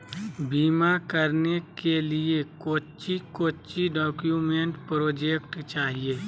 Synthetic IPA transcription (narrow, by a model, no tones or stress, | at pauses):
biːmakəɾnekeliekoːt͡ʃikoːt͡ʃiɖɔːkjuːmẽɳʈpɾoːd͡ʒeːkʈt͡ʃaːɦieː